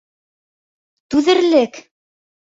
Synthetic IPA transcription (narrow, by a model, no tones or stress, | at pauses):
t̪ʉðɘ̆ɾlɘk